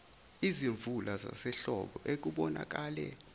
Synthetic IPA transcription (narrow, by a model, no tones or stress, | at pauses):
iziɱvulʔaza̰sɛɬɔɓɔʔek̬uɓɔna̰k̬ʼaːlɛ̰